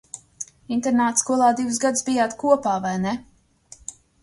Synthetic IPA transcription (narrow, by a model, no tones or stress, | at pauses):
int̪ɛɾnaːt̪skuɔlˠaːd̪ivɨsɡad̪sbijaːt̪kuɔpaːvajnɛ